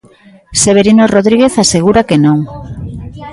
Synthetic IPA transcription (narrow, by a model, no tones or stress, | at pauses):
seβeɾinoroðɾiɣeθaseɣ̞uɾakenõŋ